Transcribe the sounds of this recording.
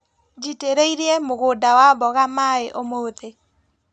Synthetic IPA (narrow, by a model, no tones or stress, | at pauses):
d͡ʒiteɾeiɾeɛmoɣodawabɔɣamaeʔomote